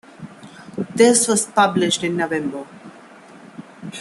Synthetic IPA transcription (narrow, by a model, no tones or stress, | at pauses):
d̪ɪsʋɔz̥pʌblɪʃʈɪ̃nːoʋɛ̃mbə